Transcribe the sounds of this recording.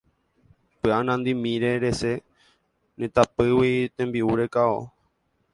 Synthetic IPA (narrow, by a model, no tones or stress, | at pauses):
pɨanãnd̪imĩɾeɾe̞se̞ | nẽt̪apɨwit̪ẽmbiuɾekao̰